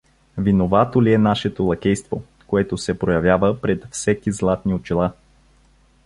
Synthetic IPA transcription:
vinovat̪oliɛnaʃɛt̪olˠɐkʲɛjst̪vo | koɛt̪osɛpɾojɐvʲjavəpɾɛt̪fsɛkizlˠat̪niot͡ʃilˠa

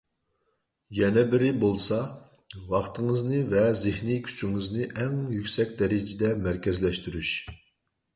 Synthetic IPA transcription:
jɛnɛbɪɾɪbolˠsɑ | vɑχt̪ʰɨŋɨznɨvɛzɪhnikʲʰy̥t͡ʃʰyŋɨznɨʔɛŋjykʲsɛk̚ʲd̪ɛɾɪd͡ʒɪd̪ɛmæɾkʲɛzlɛʃt̪yɾyʃ

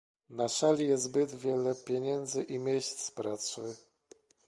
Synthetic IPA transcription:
nasalʲijɛzbɘd̪vʲjɛlɛpʲjɛɲɛnd̪zɘʔimʲjeɕt̪sspɾasɘ

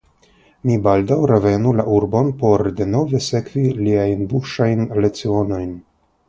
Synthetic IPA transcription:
mibaldawɾeve̞nulaʔuɾbo̞npo̞ɾde̞no̞ve̞se̞kviliajnbuʃajnlet͡sio̞no̞jn

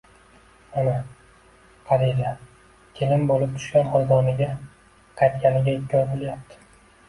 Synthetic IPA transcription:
ana | qʰɑɾila | kʲʰelɪmbolɪp̚t̪ʰʊ̥ʃɡʲanχɒjd̪ɒnɪɡʲa | qʰɑjt̪kʲanɪɡʲaɪkʲʰːɒɾbolˠjap̚t̪ʰɪ̥

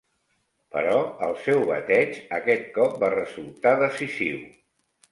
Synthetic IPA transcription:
pə̰ɾɔəlˠsɛwβə̰t̪ɛd͡ʒəkɛt̪̚kɔp̚barəzulˠt̪aðəsiziw

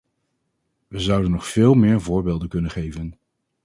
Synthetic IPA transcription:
ʋəzʌwdənːɔχfɪːlˠmɪːɹvʊːɹbeːlˠdənkɵnənχejvən

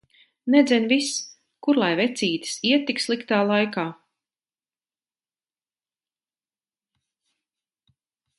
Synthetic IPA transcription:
nɛd̪zʲɛnvis | kuɾlˠajvɛt̪siːt̪i̥siɛt̪ːikslˠikt̪aːlˠajkaː

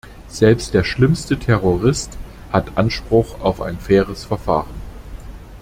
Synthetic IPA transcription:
z̥ɛlpstd̥eːɐʃlɪmstətʰɛʁoʁɪst | hatʔanʃpʁ̥ʊχaʊfa̰ɪnfɛːʁəsfɛɐfa̰ːʁən

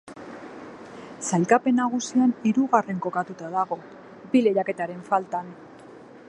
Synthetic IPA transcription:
salkape̞naɣ̞usianiɾuɣare̞ŋko̞kat̪ut̪aðaɣo̞ | bile̞ʎake̞t̪aɾe̞ɱfalt̪an

